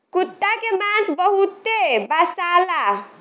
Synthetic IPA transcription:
kut̪ːakemãsbəɦut̪ebasala

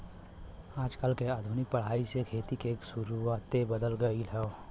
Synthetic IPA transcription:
aːd͡ʒkəlkeaːd̪ʱʊnɪk̚pəɽ̤aːisekʰeːt̪ikeːksʊɾuat̪ebəd̪əlɡəilɛo

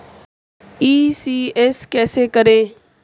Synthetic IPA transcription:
iːsiːeːskɛːseːkəɾẽː

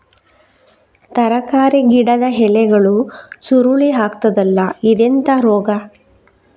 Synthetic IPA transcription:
t̪ɐɾɐkaːɾeɡiɽɐd̪ɐɦɛlɛɡɐɭusuɾuɭiɦaːkt̪ɐd̪ɐlːɐid̪ent̪ɐɾɔːɡɐ

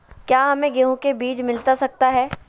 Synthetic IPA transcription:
kjaːɦɐmẽɡeɦõkebiːd͡ʒmɪlt̪asɐk̚t̪aɦɛː

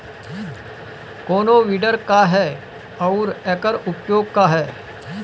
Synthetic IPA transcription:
koːnoʋiːɖəɾkaɦɛː | ɔːɾɛːkəɾʊpjoːɡ̚kaɦɛː

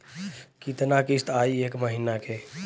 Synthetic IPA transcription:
kit̪nakist̪ʰaːieːkməɦiːnakʰe

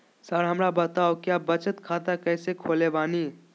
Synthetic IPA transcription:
səɾɦəmɾabət̪aokjabət͡ʃət̪kʰat̪akəːsekʰolebaːni

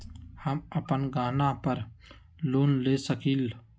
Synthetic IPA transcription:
həməpənɡaːnãːpəɾ | luːnleːsəkiːl

